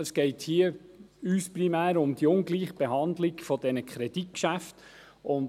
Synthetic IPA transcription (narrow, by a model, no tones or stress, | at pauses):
əsɡ̥ɛɪthiːəyːsprimæːɾʊmd̥̪iʊnɡliːχb̥eɦɑndlɪɡ̥fɔdɛnəkʰχɾɛd̥it̚kʃæft | ʊn